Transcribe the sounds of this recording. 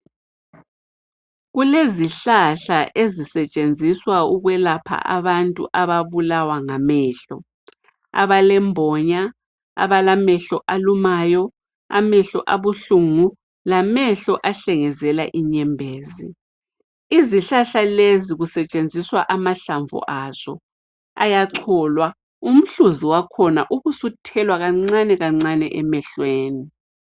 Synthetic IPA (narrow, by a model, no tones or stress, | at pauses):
ɣuleziɬaɬaʔezisɛt͡ʃʼend͡zʱiswauɣwɛlapʰa̰ʔa̰βantʼṵʔaβaβulawaŋamɛːɬɔ | a̰βalɛmbʱɔɲa | a̰βalamɛɬɔʔalumaːjɔ | a̰mɛɬɔʔaβuɬuŋu | lamɛɬɔʔaɬɛŋɛzɛlaʔiɲɛmbʱeːzi | iziɬaɬaleziɣusɛt͡ʃʼend͡zʱiswaʔamaɬaɱvɔ̰ʔaz̥ɔ̰ | a̰jaǀʰɔlwa | um̩ɬuziwakʰɔna̰ʔuɣusutʰɛlwaɣaŋ͡ǀanɛɣaŋ͡ǀanɛ̰ʔɛmɛɬweːni